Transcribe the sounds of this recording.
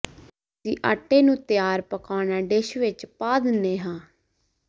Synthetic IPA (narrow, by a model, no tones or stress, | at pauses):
siːʔa̰ːʈːeːnũːt̪ɪjaːɾpəkaːnaːɖeːʃʋɪt͡ʃpaːd̪ɪneːɦãː